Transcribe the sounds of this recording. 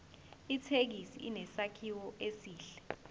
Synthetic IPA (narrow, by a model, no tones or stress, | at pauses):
itʰek̬isḭinɛsakʰiwɔʔesiːɬɛ̥